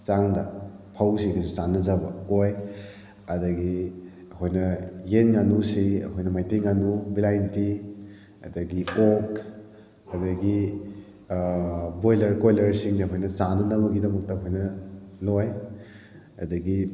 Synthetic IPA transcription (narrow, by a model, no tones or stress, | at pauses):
t͡ʃaŋdɐ̰ | pʰawsikɐsusanːɐzabɐ̰oj | ɐdɐɡi | ɐkʰojnɐjenŋanusiɐ̰kʰojnɐmajteŋːanubilajnti | ɐdɐɡiok | ɐdɐɡi | bojlɐɾkojlɐɾsiŋsiɐkʰojnɐsanɐnɐbɐɡidɐmɐk̚tɐkʰojnɐloj | ɐ̰dɐɡi